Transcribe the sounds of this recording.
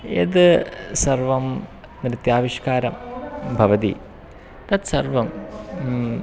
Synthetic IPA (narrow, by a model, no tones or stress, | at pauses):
ḛðɨsɐrʋɐm | nɾɨt̪jaːʋiʂkaːɾɐmbʱɐʋɐd̪ḭ | t̪ɐt̪sɐrʋɐm